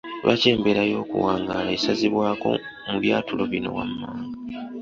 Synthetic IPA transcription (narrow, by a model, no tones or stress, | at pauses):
lwʔace̞ːmbeɾajo̞ːkṵwaːŋɡalaesaziβwaːko̞̰ | muβjaːtulo̞βino̞̰wamːaːŋɡa